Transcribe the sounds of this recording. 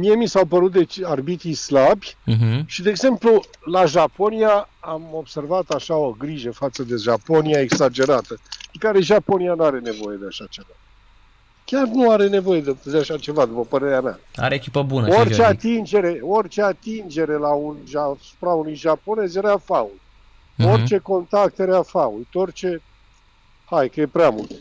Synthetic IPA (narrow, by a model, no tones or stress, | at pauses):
mie̞misawpəɾut̪̚d̪e̞t͡ʃarbit̪islabʲj̩ɦ̩ʃid̪eːɡze̞mplu | laʒapo̞nijaamo̞bse̞rvat̪aʃao̞ɡɾiʒəfat̪səd̪e̞ʒapo̞niaeksad͡ʒe̞ɾat̪əekaɾe̞ʒapo̞nianuaɾe̞ne̞vo̞je̞d̪eaʃat͡ʃe̞va | kʲarnuaɾe̞ne̞vo̞je̞d̪ed̪eaʃat͡ʃe̞vad̪upəpəɾe̞ɾeamʲa̰a̰ɾeekʲipəbunəort͡ʃeat̪ind͡ʒe̞ɾe̞o̞rt͡ʃeat̪ind͡ʒe̞ɾe̞launʒasu̥pɾaunujʒapo̞ne̞zjeɾeafaul | ort͡ʃe̞ko̞nt̪ak̚t̪jeɾeafault̪o̞rt͡ʃe | hajkəje̞pɾeamult̪